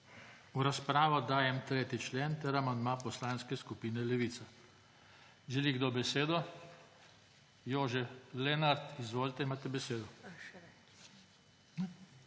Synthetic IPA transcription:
uɾaspɾaːʋɔd̪aːjɛmt̪ɾeːt̪it͡ʃleːnt̪ɛɾamand̪mapɔslaːnskɛskupiːnɛlɛʋiːt̪sa | ʒɛliɡd̪obɛseːd̪ɔ | joːʒɛlenaɾt̪izʋoːlt̪ɛimaːt̪ɛbɛseːd̪ɔ | nɛ

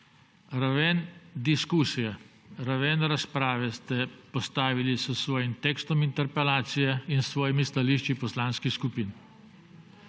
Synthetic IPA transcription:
ɾaʋɛnd̪iskuːsijɛ | ɾaʋɛnɾaspɾaːʋɛst̪ɛpɔst̪aːʋilisəsʋɔːjimt̪ɛːkst̪ɔmint̪ɛɾpɛlaːt̪sijɛinsʋɔːjimist̪aliːʃt͡ʃipɔslaːnskixskupiːn

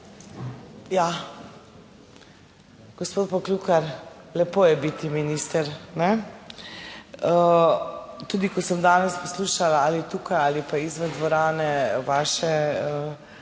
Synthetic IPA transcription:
ja | ɡ̥ospoːt̪̚pɔklukaɾlɛpoːjɛbit̪iminist̪əɾnɛ | ə | t̪uːd̪ikɔsəmd̪aːnɛspɔsluːʃalaalit̪ukajalipaizmɛd̪ʋɔɾaːnɛʋaːʃɛ

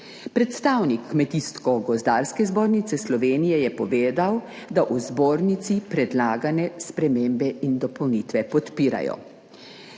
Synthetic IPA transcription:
pɾɛt̪st̪aːwnikːmɛt̪iskɔɡɔzd̪aːɾskɛzboːɾnit̪sɛslɔʋeːnijɛjɛpɔʋeːd̪aw | d̪aʔuzboːɾnit̪sipɾɛd̪laːɡanɛspɾɛmembɛind̪ɔpɔwnit̪ʋɛpɔt̪piːɾa̰jɔ̰

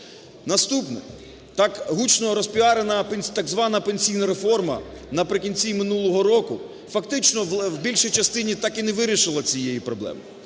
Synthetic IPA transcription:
nɐst̪upnɛ | t̪ɑkɦut͡ʃnɔɾɔspʲiɦɑɾenɐpenʲt̪ɐɡzʋɑnɐpenʲsʲijnɐɾefɔrmɐ̰nɐpɾɪkʲinʲt͡sʲimɪnulˠɔɦɔɾɔkʊ | fɐkt̪ɪt͡ʃnɔwbʲilʲʃijt͡ʃɐst̪ɪnʲit̪ɑkinɛʋɪɾʲiʃɪlˠɐt͡sʲijejipɾɔblˠɛ̰mɪ

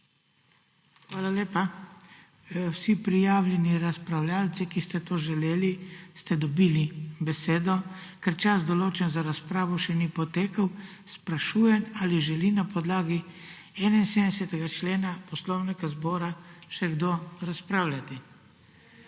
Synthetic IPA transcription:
xʋaːlaleːpa | wsipɾijaːwlʲjɛniɾaspɾawlʲjaːlt̪sikist̪ɛt̪oːʒɛleːlist̪ɛd̪ɔbiːlibɛseːd̪ɔkɛɾt͡ʃasd̪ɔloːt͡ʃɛnzaɾaspɾaːʋɔʃɛnipɔt̪eːkəw | spɾaʃuːjɛnaliʒɛlinapɔd̪laːɡi | ɛːnainseːmd̪ɛsɛt̪ɛɡat͡ʃleːnapɔslɔwnikazbɔːɾaʃɛɡd̪oɾaspɾaːwlʲjat̪i

